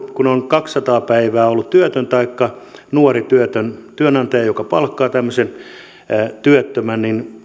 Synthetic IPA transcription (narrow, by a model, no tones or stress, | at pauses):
kunonkɑksːɑt̪ɑːpæiʋæːolːut̪t̪yøt̪ønt̪ɑikːɑnuorit̪yøt̪ønt̪yønɑnt̪ɑjɑjokɑpɑlkːɑːt̪æmːøsen | t̪yøt̪ːømænnin